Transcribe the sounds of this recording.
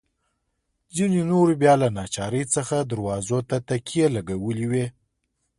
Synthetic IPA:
d͡zinenoɾbjɑlanɑt͡ʃɑɾəjt͡səxad̪aɾwɑzot̪at̪akijelaɡawəliwe

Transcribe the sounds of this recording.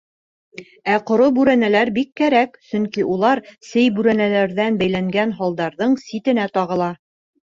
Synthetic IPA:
æqŏɾobʉɾænælæɾbikːæɾæksɵŋkiʔulˠɑɾsɘjbʉɾænælæɾðænbæjlæŋɡænɦɒlˠd̪ɑɾðɤɴsit̪ɘ̆næt̪ɒʁɤ̆lˠɑ

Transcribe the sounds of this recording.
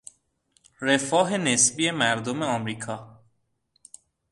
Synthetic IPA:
ɾe̞fɒːɦe̞nesbiːe̞mæɾd̪ome̞ɒmɾiːkʰɒː

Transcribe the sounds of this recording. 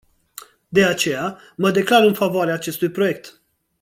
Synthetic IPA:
d̪e̞at͡ʃe̞ja | məd̪e̞klaɾɨnfavoaɾeaːt͡ʃe̞st̪ujpɾo̞je̞k̚t̪

